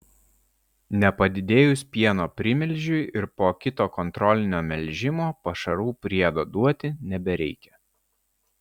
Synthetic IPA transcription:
nʲɛpɐd̪ʲɪd̪ʲeːjʊspʲiɛnoːpʲɾʲɪmʲɪlʲˑʒʲʊɪʔɪɾpoːkʲɪt̪oːkɔnt̪ɾɔlʲɪnʲoːmʲɛlʲʒʲɪmoːpɐʃɐɾuːpʲɾʲiɛd̪oːd̪uɔt̪ʲɪnʲɛbʲɛɾʲɛɪkʲɛ

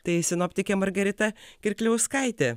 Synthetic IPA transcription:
t̪ɐɪɪsʲɪnɔːpʲt̪ʲɪkʲemɐɾɡɐɾʲɪt̪ɐkʲɪɾʲkʲlʲɛʊskɐɪt̪ʲe

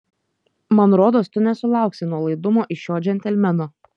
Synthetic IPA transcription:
mɐnɾoːd̪oːst̪ʊnʲɛsʊlˠɑˑʊksʲɪnuɔlˠɐɪd̪ʊmoːʔɪʃʲjoːd͡ʒʲɛnʲt̪ʲɛlʲmʲɛnoː

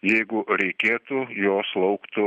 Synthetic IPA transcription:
jɛɪɡʊɾʲɛɪkʲeːt̪ʊjoːslˠɐʊkt̪ʊ

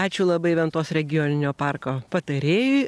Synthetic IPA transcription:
ɑːt͡ʃʲʊlˠɐbɐɪʋʲɛnt̪oːsɾʲɛɡʲɪjoːnʲɪnʲoːpɑrkoːpɐt̪ɐɾʲeːjʊɪ

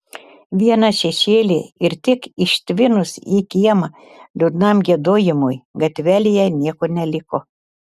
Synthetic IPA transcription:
ʋʲiɛnɐʃʲɛʃʲeːlʲḛɪɾt̪ʲɪkɪʃʲt̪ʲʋʲɪnʊsiːkʲiɛmɐ | lʲʊd̪nɑˑmɡʲiɛd̪oːjɪmojɡɐt̪ʲʋʲælʲɪjɛnʲiɛkoːnʲɛlʲɪkoː

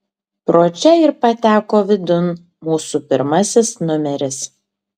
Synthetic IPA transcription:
pɾoːt͡ʃʲɛɪɾpɐt̪ʲæːkoːʋʲɪd̪ʊn | muːsupʲɪɾmɐsʲɪsnʊmʲɛɾʲɪs

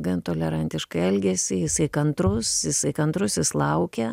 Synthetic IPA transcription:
ɡɐnt̪oːlʲɛɾɐnʲt̪ʲɪʃkɐɪɛlʲɡʲɛsʲɪjɪsɐɪkɐnt̪ɾʊsjɪsɐɪkɐnt̪ɾʊsʲjɪslˠɐʊkʲɛ

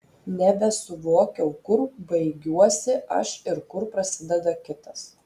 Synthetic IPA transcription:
nʲɛbʲɛsʊʋoːkʲɛʊkʊɾbɐɪɡʲuɔsʲɪɐʃɪɾkʊɾpɾɐsʲɪd̪ʲɛd̪ɐkʲɪt̪ɐs

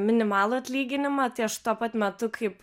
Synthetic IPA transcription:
mʲɪnʲɪmɑːlˠʊɐt̪ʲlʲiːɡʲɪnʲɪmɑt̪ɐɪɐʃt̪uɔpɐt̪mʲɛt̪ʊkʰɐɪp

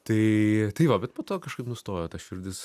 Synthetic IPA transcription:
t̪ɐɪt̪ɐɪʋɐbʲɛt̪poːt̪oːkɐʃkɐɪpnʊst̪oːjoːt̪ɐsʃʲʊɾʲd̪ʲɪs

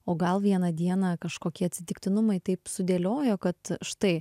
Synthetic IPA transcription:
oːɡɐlˠʋʲiɛnɐd̪ʲiɛnɐkɐʃkoːkʲiɛɐt̪ʲsʲɪt̪ʲɪkt̪ʲɪnʊmɐɪt̪ɐɪpsʊd̪ʲeːlʲoːjoːkɐt̪ʃt̪ɐɪ

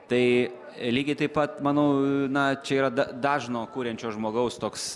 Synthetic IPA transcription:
t̪ɐɪ | lʲiːɡʲɐɪt̪ɐɪpɐt̪mɑːnɐʊnɐt͡ʃʲɛiːɾɐd̪ɐd̪ɑːʒnoːkuːɾʲɛnʲt͡ʃʲoːʒmoːɡɐʊst̪oːks

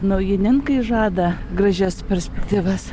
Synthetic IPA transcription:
nɐʊjɪnʲɪŋkɐɪʒɑːd̪ɐɡrɐʒʲɛspʲɛɾʲsʲpʲɛkt̪ʲiːʋɐs

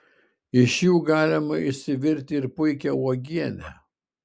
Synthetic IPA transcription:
ɪʃjuːɡɑːlʲɪmɐɪsʲɪʋʲɪɾʲt̪ʲɪɾpʊɪkʲɛɔːɡʲiɛnʲæ̰

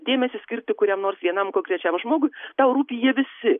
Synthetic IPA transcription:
d̪ʲeːmʲɛsʲɪsʲkʲɪrʲt̪ʲɪkʊɾʲɛmnoːrsʋʲiɛnɐmkoːŋʲkɾʲɛt͡ʃʲɛmʒmoːɡʊjt̪ɑʊɾuːpʲijiɛʋʲɪsʲɪ

